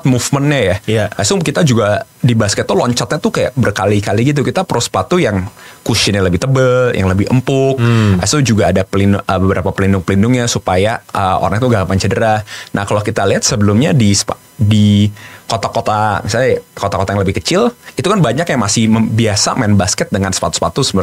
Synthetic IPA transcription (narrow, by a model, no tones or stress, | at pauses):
t̪mufmənɲajaasʊŋkit̪ad͡ʒuɡadibaskət̪ːulɔɲt͡ʃat̪̚ɲat̪ukaja̰ʔbərkalikaliɡit̪ukit̪apɾospat̪ujaŋkusɪnɲaləbɪht̪əbəljʔa̰ŋləbɪhə̰mpʊk̚ʔa̰sud͡ʒuɡaːdapəlinʔəbəbəɾapapəlindʊŋpəlindʊŋɲasupajaʔəʔo̰ɾaŋt̪uɡaʔpaɲt͡ʃədəɾana̰hkalokit̪aliɦat̪̚səbəlʊmɲadispa | dikot̪akot̪amisalɲakot̪akot̪ajaŋləbɪhkət͡ʃɪlit̪ukanbaɲakjaŋmasɪhməbiasa̰maɛnbaskət̪̚dəŋansə̥pat̪u̥spat̪usəb